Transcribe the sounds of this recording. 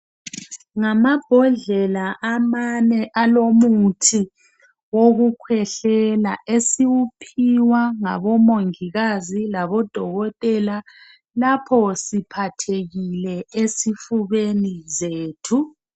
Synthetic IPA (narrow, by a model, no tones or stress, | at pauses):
ŋamab̥ʱɔɮɛlaʔamanɛʔalomutʰi | woɣukʰwɛɬɛlaʔesiwupʰiwaŋa̰βɔmoŋiɣazilaβɔd̥ʱɔɣɔtʼɛla | lapʰɔsipʰatʰeɣilɛesifuβenizeːtʰu